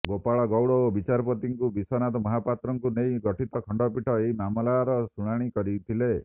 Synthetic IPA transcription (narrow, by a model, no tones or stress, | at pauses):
ɡopaɭɔɡɔwɽɔobit͡ʃaɾpɔt̪iŋkubisɔnat̪ɔmɔɦapat̪ɾɔŋkunejɡɔʈʰit̪ɔkʰɔɳɖɔpiʈʰɔeɦimamɔlaɾɔsuɽ̃aɽ̃ikɔɾit̪ʰile